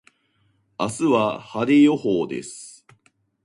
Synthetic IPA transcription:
asɨβahad̪ejo̞hoːd̪e̞̰sɨ̥

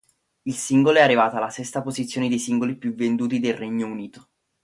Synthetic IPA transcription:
ilsiŋɡoloɛarːivaːt̪oalːasɛst̪apozit̪sjoːned̪ejsiŋɡolipjuvend̪uːt̪id̪elrɛɲːouniːt̪o̥

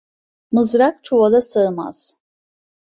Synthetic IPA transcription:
mɯzɾak̚t͡ʃʰoβad̪asaɯma̰z̥

